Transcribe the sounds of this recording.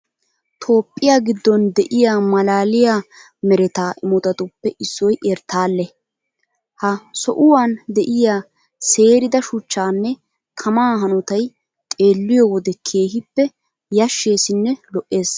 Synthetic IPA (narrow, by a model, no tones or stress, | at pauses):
t̪ʰo̞ːpʼːɪjaːɡɪd̪ːɔnd̪ɛʔɪjaːmɐlaːlɪjaː | mɛɾɛt̪aːʔɪmɔt̪ɐt̪ʊpːɛʔɪsːɔjʔeːɾt̪ːaːlːɛ | hɐsɔʔʊwaːnd̪ɛʔɪjaː | se̞ːɾɪd̪ɐʃʊt͡ʃːaːnːɛ | kʰɐmaːɦɐnɔt̪ɐj | t̪ʼe̞ːlːɪjɔwɔd̪ɛkʰeːɦɪpːɛ | jɐʃːe̞ːsɪnːɛlɔʔːe̞ːs